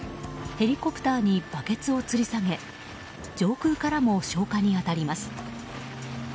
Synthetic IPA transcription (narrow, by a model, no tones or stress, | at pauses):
he̞ɾʲiko̞pɯ̟̥t̪aːɲ̟ib̥ake̞t͡sɨo̞t͡sɨɾʲisaŋe̞ | d͡ʑo̞ːkɯ̟ːkaɾamo̞ɕo̞ːkaɲ̟iat̪aɾʲimasɨ̥